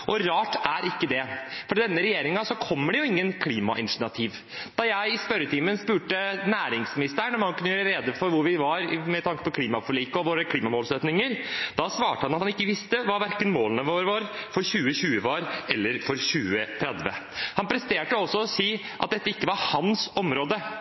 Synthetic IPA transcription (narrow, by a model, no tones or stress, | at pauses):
ʔɔɾɑːʈæɾʔɪkːəd̪ɛfɔɖɛnːəɾɛjeːɾɪŋɑsɔkʰɔmːəɖɛjʊɪŋːənkʰliːmɑ̰ʔɪnʂnɑt̪ʰiːʋ | d̪̥ɑjæɪɪspœɾət̪ʰiːmənspʉːʈənæːɾɪŋsmɪnɪst̪əɳɔmhɑnkʉnːəjœːɾəɾeːd̪əfɔɾʋʊɾʋɪʋɑɾmɛt̪ʰɑŋkə̥pɔkʰliːmɑfɔɭiːkɔʋoːɾəkʰliːmɑmoːlsøːt̪nɪŋəɾd̪̥ɑsʋɑːʈəhɑnɑt̪hɑnɪkːəʋɪst̪əʋɑɾʋæɾkənmoːlənəʋoːɾʋɑɾfɔɾɕʉːəɕʉːəʋɑɾɛlːəɾfɔɾɕʉːət̪ʰɾɛd̪ʋə̰hɑnpʰɾɛst̪eːʈəɔsːɔɔsiː | ʔɑ̰t̪̚d̪ɛt̪ːəɪkːəʋɑɾhɑnsɔmɾoːd̪ə